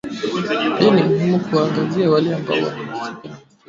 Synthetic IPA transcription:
hɛɔnimuɦimukuwaːŋɡaziawalɛamba̰ɔ̰wa̰nawasika

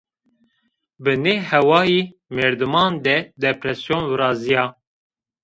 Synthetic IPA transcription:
bɨneːhɛwɑːjiː | meːɾd̪ɨmɑːnd̪ɛd̪ɛpɾɛsjoːnwɨɾɑːzijɑː

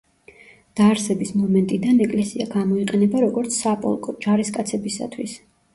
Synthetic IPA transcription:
d̪̥aɾsɛbismɔmɛnt̪ʼid̪anɛkʼlɛsiaɡamɔiqʼɛnɛbaɾɔɡɔɾt̪sʰsapʼɔ̰lˠkʼɔd͡ʒaɾiskʼat̪sʰɛbisa̰t̪ʰwis

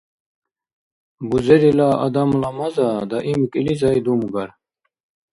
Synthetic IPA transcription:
buzeɾilaa̰d̪amlamɑzɑd̪ɑʔimikʼilizɑid̪umɡaɾ

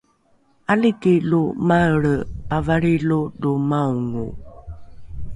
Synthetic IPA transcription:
alikilumaəɭəpavaɭiludumauŋṵ

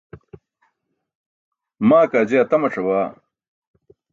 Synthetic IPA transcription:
maːkaːd͡ʑeɐt̪ɐmɐʈ͡ʂɐwaː

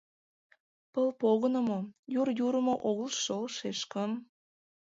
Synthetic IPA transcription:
pəlpoɣənəmojurjuɾəmoʔoɣəlʃəlʃeʃkəm

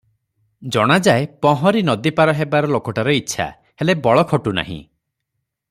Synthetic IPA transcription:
d͡ʒɔɽ̃ad͡ʒaepɔɦɔɾinɔd̪ipaɾɔɦebaɾɔlokɔʈaɾɔitːʃʰa̰ | helebɔɭɔkʰɔʈuna̰ɦḭ̃

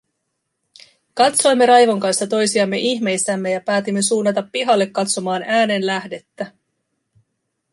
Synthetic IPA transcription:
kɑt̪so̞jmːe̞ɾɑjʋo̞ŋkɑnst̪ɑt̪o̞jsiɑmːe̞ʔiçme̞jsːæmːe̞jɑpæːt̪imːe̞suːnːɑt̪ɑpːiɦɑlːe̞kːɑt̪so̞mɑːnæːne̞nlæhde̞t̪ːæ

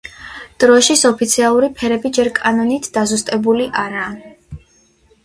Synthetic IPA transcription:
d̪̥ɾɔʃisɔpʰit̪sʰialˠuɾipʰɛɾɛbid͡ʒɛɾkʼanɔnit̪ʰd̪̥azust̪ʼɛbuliʔaɾaː

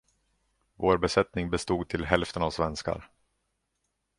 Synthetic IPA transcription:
voːɾbɛsɛt̪nɪŋbɛst̪uːɡ̚t̪ʰɪlɦɛlft̪ənavsvɛnska̰ɾ

